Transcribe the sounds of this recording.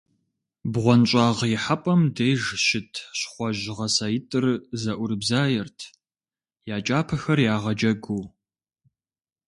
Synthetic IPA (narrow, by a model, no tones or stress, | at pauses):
bʁʷɔnt͡ʃʼaːʁjɪħapʼɐmdejʒʃɪtʰɕχʷɔʑʁɐsajɪtʼɨrzɐʔʷʊɾbzaːjɛrtʰ | jaːt͡ʃʼaːpʰɐxɐrjaːʁɐd͡ʒɐɡuː